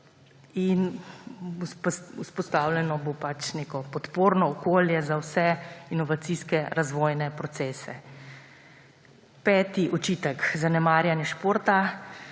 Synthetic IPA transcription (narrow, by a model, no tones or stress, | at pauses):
in | puspɔst̪awlɛnɔbopat͡ʃnekɔpɔt̪poːɾnɔːkoːljɛzawsɛinɔʋat̪siskɛɾazʋɔːjnɛpɾɔt̪sɛːsɛ̰ | pɛːt̪iʔɔt͡ʃiːt̪əkzanɛmaːɾjanjɛʃpoːɾt̪a